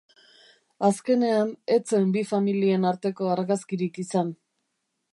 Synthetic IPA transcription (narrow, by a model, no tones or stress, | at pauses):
aske̞ne̞ane̞t͡se̞mbifamilie̞naɾt̪e̞ko̞aɾɣaskiɾikisan